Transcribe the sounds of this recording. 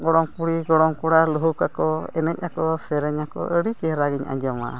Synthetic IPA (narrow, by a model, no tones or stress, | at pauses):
ɡɔɽɔŋpuɽiɡɔɽɔŋkuɽaluɦukakɔɛnɛc̚akɔsɛɾɛɲakɔ̰ʔəɽit͡ʃɛɾaɡiɲa̰ɲd͡ʒɔma̰